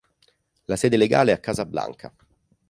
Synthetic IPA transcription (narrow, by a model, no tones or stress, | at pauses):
lasɛːd̪eleɡa̰ːleɛakːaːzabːla̰ŋkʰa